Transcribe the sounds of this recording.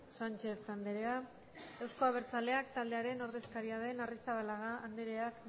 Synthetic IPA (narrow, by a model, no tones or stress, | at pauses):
sant͡ʃe̞sand̪eɾea | ewsko̞aβ̞e̞ɾt͡sale̞akt̪ald̪e̞aɾeno̞ɾðe̞skaɾiað̞e̞narist̪aβalaɣaːnd̪eɾe̞ak